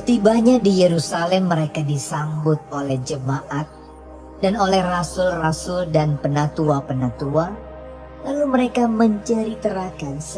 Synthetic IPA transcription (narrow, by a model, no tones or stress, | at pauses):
t̪ibaɲadijeɾusalɛmːəɾekadisambʊt̪̚olɛhd͡ʒəmaʔat̪̚ | danolɛhrasʊlrasʊldanpənat̪uapənat̪ua | laluməɾekaməɲt͡ʃəɾit̪əɾakans